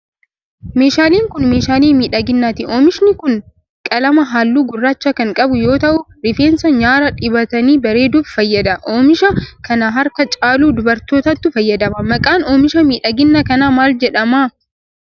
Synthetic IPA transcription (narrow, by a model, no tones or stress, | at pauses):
meːʃaːliːŋkʊnmeːʃaːliːnmiːᶑɐɡɪnːaːt̪ɪoːmɪʃnɪkʊn | kʼɐlɐmɐɦaːlːuːɡʊrːaːt͡ʃːɐkɐŋkʼɐbʊjo̞ːt̪ɐʔʊ | ɾɪfeːnsɐɲaːɾɐᶑɪbɐt̪ɐniːbɐɾe̞ːd̪ʊbfɐjːɐd̪ɐʔoːmɪʃɐkʰɐnaɦɐɾkɐt͡ʃʼaːluːd̪ʊbɐɾt̪o̞ːt̪ɐt̪ːʊfɐjːɐd̪ɐmɐmɐkʼaːnoːmɪʃɐmiːᶑɐɡɪnːɐkɐnaːmaːld͡ʒɛᶑɐmaː